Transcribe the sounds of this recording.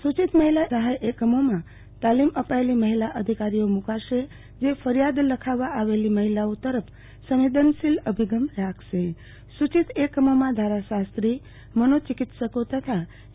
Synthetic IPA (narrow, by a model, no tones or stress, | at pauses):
sut͡ʃit̪məɦilasəɦajʔekəmomã | t̪aliməpaeliməɦilaʔəd̪ʱikaɾijomukaʃe | d͡ʒefʰəɾijad̪ləkʰaʋaʔːʋeliməɦilaot̪əɾəpʰ | səʋid̪ʱənsiləbʱiɡəmɾakʰse | sut͡ʃit̪ekːəmomãd̪ʱaɾasast̪ɾi | mənot͡ʃikit̪səkot̪ət̪ʰa